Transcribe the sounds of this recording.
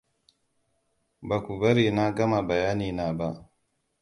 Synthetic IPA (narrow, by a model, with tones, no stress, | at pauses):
ba˨ku˨ba˦ɾi˨na˦ɡa˦ma˨ba˨ja˦niː˨na˨ba˦